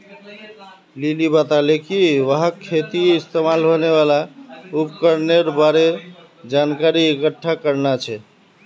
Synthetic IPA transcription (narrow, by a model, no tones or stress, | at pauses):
lilibat̪alekiʋəɦakʰːet̪iist̪emalɦoneβalaup̚kəɾneɾbaɾe | d͡ʒankaɾiːkəʈʰːakəɾnat͡ʃʰɛ